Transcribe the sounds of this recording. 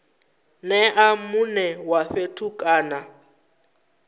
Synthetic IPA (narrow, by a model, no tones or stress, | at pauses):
nɛʔamunɛwaɸetʰukʼaːna